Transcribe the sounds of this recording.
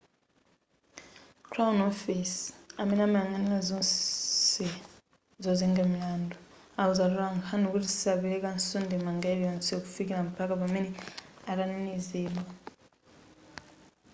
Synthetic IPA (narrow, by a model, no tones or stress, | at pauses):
kʰɾaunɔfisamɛnamajaŋɡanilazɔsi | zɔziŋɡamilandɔ | auzalulaŋkʰanikutisaβiɾɛkansɔndɛmaŋɡailjɔnsiɔku̥fikilam̩pʰakapamɛnɛaɾaniniziːlwa